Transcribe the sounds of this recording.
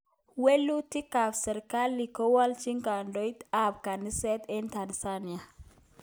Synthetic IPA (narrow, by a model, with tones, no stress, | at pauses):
we˦lːu˦ti˦ka˨fsɛ˨ɾka˦lːi˨kɔ˦wa˦lt͡ʃi˦ŋka˨ndo˦jta˨b̚ka˨ni˦sɛ˦tɛ˦nta˨nsa˦ni˨a˨